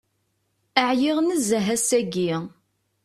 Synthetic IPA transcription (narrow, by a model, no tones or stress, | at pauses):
əʕjɪʁnəzəɦæsæɡi